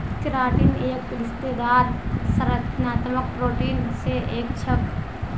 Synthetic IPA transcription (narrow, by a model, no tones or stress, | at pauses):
kɪɾaːʈiːneːk̚pʊɾɪst̪eːd̪aːɾsɐɾət̪naːt̪mək̚pɾoːʈiːnseʔeːk̚t͡ʃʰɐk